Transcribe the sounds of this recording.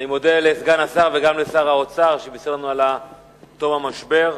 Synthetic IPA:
nimo̞delesɡanasaʁveɡamlesaʁaot͡saʁʃebiseʁnuala | t̪o̞mamaʃbe̞ʁ

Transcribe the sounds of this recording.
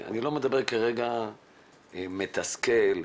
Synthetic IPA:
a̰nilo̞med̪abeʁkaʁeɡa | met̪askel

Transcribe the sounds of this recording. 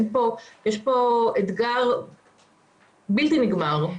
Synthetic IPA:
npojeʃpo̞et̪ɡaʁ | bilt̪iniɡmaʁ

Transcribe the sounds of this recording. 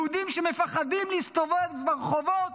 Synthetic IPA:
ud̪imʃemefaχad̪imlist̪ovot̪beʁχovot̪

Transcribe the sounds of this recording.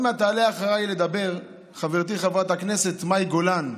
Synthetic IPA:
meat̪aːleaχaʁajle̞d̪abe̞ʁ | χaveʁt̪̬iχavʁat̪akne̞set̪majɡo̞lan

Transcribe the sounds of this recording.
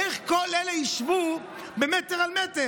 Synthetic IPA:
eχkolelejiʃvu | bemeteʁalmete

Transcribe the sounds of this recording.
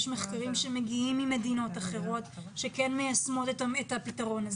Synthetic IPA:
ʃmeχkaʁimʃemeɡiimime̞dino̞taχe̞ʁo̞tʃe̞kenmejasmo̞tetaetapitaʁo̞naz

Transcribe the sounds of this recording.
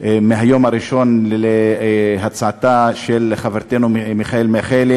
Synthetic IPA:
meɦajo̞maɾiʃo̞neɦat͡sʕat̪aʃeleχaveɾt̪enumiχaelmeχel

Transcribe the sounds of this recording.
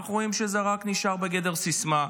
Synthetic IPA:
ʁo̞imʃezeʁakniʃaʁbeɡe̞de̞ʁsisma

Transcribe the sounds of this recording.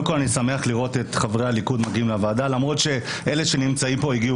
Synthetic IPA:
kolanisame̞aχliʁo̞te̞tχavʁealikudmaɡimleavaːdalamʁo̞tʃe̞ | ʔe̞le̞ʃe̞nimt͡saimpo̞iɡiu

